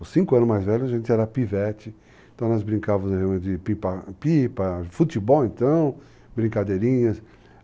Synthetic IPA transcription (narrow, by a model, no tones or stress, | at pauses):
sĩŋkʊɐ̃nʊzmajzvɛʎʊaʒẽnt̪ɪɛɾɐpivɛt͡ʃɪ | ẽt̪ɐ̃w̃nɔzbɾĩŋkavɐmzɦeawmẽt̪ɪɪpĩpɐpipɐfut̪ibɔwẽnt̪ɐ̃w̃ | bɾĩŋkad̪eɾĩɲɐs